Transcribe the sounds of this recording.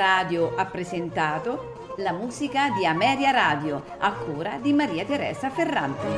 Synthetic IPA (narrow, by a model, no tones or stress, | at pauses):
aːd̪joʔapːɾezent̪aːt̪o | lamuːzikad̪iamɛːɾjaɾaːd̪jo | akːuːɾad̪imaɾiːat̪eɾɛ̰ːzaferːant̪e